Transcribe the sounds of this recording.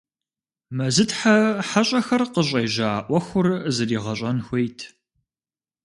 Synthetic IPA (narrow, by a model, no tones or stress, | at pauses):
mɐzɨtħaħaɕʼɐxɐrqəɕ̬ʼejʒaːʔʷɔxʷʊrzɨriːʁɐɕʼɐnxʷejtʰ